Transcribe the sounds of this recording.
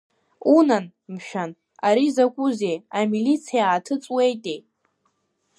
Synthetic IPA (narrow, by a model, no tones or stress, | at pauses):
unan | mʃᶣan | aɾizakʷʼuze̞jamilit͡sʰijaːtʰɨt͡sʼwe̞jtʼej